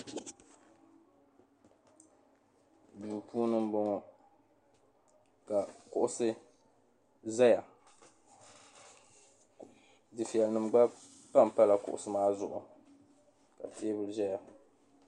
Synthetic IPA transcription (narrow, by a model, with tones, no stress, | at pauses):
duː˨pʰuː˦nɨ˦m˦bo˦ŋɔ˨ | ka˨kʊ˨ʔʊ˦sɨ˦ | za˦ja˨ | dɨ˨fi˨ɛ˨lnɨ˨mɡ͡ba˦ | pa˦m˨pa˦la˨kʊ̰˨ʔʊ̰˨sɨ˨˦maː˦zʊ˨ʔʊ̰˨ | ka̰˨tʰeː˦bɨ˦lʒa˦ja˨